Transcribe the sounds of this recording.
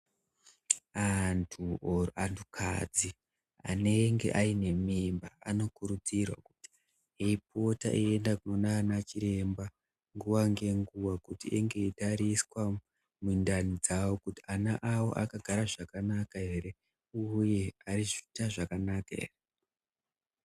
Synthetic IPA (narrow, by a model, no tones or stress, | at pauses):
antʰuantʰukʰa̰d͡zi | a̰ne̞ŋɡe̞̰ʔaine̞mimbaa̰no̞kuɾud͡zirwa̰kuti̥ | ɦeip̚o̞ta̰ʔie̞ndakuno̞naːnat͡ʃiɾe̞mba | ŋɡuʋaŋɡe̞ŋɡuʋakutiʔeŋɡe̞itaɾiswa | mundanid͡zawo̞kutianaʔawo̞̰ʔakaɡʱaɾaʐakanakaɦe̞ɾe̞ | uje̞ariʐitaʐakanakaḛre